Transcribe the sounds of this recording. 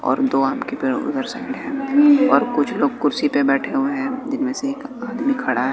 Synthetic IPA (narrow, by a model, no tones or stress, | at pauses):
ɔ̰ːɾd̪oːaːmkepeːɽʊ̰d̪əɾsaːɪɖɦɛ̃ːɔːɾkʊt͡ʃʰloːɡ̚kʊɾsipebɛːʈʰeɦueɦɛ̃d͡ʒɪnmẽseːkaːd̪mikʰɐɽaɦɛ